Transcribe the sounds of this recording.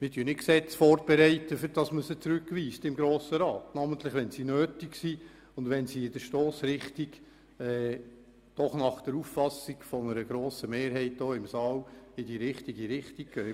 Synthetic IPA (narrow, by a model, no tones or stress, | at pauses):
mɪɾtyənɪksɛt͡sfɔːɾb̥ɛɾɛɪtəfɪɾdɑsməsət͡sɾʉkːʋiːstɪmɡɾoːsəɾɑːtnɑmənt̪ləχʋɛnsinøːtiksi | ʊndʋɛnsiɪd̥əʃtoːsɾɪχtiɡ | ɛː | d̥ɔχnɑχd̪̥ɛɾuffɑsiɡfɔnəɾəɡɾoːsəmeːɾɦɛɪt̚doːɪmsɑːlɪd̥iɾɪχtiɡiɾɪχtik̚ɡ̥œː